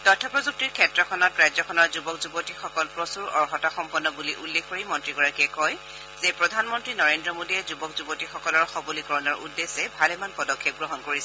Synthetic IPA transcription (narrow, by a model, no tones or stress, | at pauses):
tɔtʰːɔpɹɔzuk̚tiɹkʰɛtɹɔkʰɔnɔtɹajzɔkʰɔnɔɹzubɔkzubotixɔkɔlpɹɔsuɹɔɹxɔtaxɔmpɔnːɔbuliʔulːekʰkoɹimɔntɹiɡɔɹakiɛkɔj | z̥epɹɔdʱanmɔntɹinɔɹendɹɔmodiɛzubɔkzubotixɔkɔlɔɹxɔbɔlikɔɹɔnɔɹudːesɛbʱalɛmanpɔdɔkʰːep̚ɡɹɔɦɔnkoɹisɛ